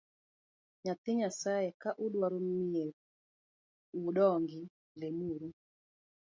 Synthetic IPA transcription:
ɲat̪ɪɲasaɛkaʔuɗwaɾumieɾ | uɗɔŋɡɪ | lemuɾu

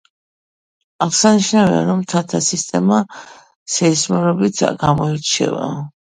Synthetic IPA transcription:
aʁsaniʃnavia̰ɾɔmt̪ʰat̪ʰasist̪ʼɛma | sɛismɔɾɔbit̪ʰɡamɔɛɾt͡ʃʰɛ̰va̰

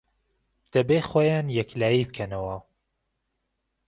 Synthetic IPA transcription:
d̪̥ɐbexoːjaːnjɛklaːjib̚kʰɐnɐwɐ

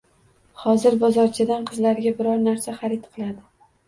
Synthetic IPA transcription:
hɒzɪɾbɒzɒɾt͡ʃʰɪd̪anqʰɨzlaɾɡʲabɪɾɒɾnaɾsaχaɾɪt̪qʰɨlˠad̪ɪ

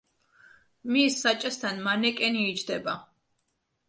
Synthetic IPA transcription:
misːat͡ʃʼast̪ʰanmanɛkʼɛniːd͡ʒd̪ɛba

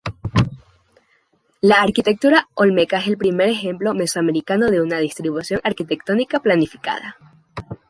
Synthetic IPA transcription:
laːɾkit̪e̞k̚t̪uɾaolme̞kaeselpɾime̞ɾe̞xe̞mplo̞me̞swame̞ɾikano̞ðe̞unað̞ist̪ɾiβusjo̞ŋʔaɾkit̪e̞k̚t̪o̞nikaplanifi̥ka̰ð̞a̰

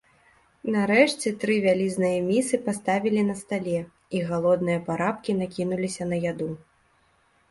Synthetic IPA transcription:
naɾɛʂt͡sʲɛt̪ɾɨvʲalʲiznɨjɐmʲisɨpast̪avʲilʲinɐst̪alʲɛ | iɣalˠɔd̪̚nɨjɐpaɾapkʲinakʲinulʲisʲɐnɐjad̪u

